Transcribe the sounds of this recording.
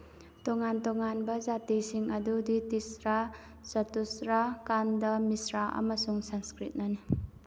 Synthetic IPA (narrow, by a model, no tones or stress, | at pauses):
tɔŋantɔŋanbɐzatisiŋɐduditisɾa | sɐtusɾakandɐmisɾaʔɐ̰mɐsuŋsanskɾit̚nani